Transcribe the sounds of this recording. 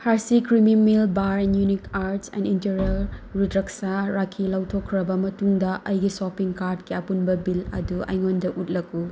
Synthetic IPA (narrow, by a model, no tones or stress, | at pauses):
haɾsikɾimimilbaɾnjunikaɾtsɛ̰ninteɾiɐlɾudɾɐksaɾakʰilawtʰokʰːɾɐbɐmɐtuŋdɐʔɐjɡisopiŋkaɾdkiɐpunbɐbilɐ̰duɐ̰jŋondɐʔut̚lɐku